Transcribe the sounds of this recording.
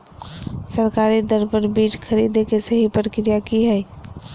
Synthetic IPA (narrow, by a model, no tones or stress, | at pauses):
səɾkaɾid̪əɾbəɾbid͡ʒkʰəɾid̪ekesəɦipəɾkɾijakiɦəj